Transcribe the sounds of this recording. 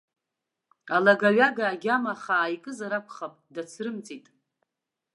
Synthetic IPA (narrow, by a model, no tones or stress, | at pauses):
alaɡaɥaɡaːɡʲamaχaːjkʼɨzaɾakʷʰʼχapʼdat͡sʰrɨmt͡sʼitʼ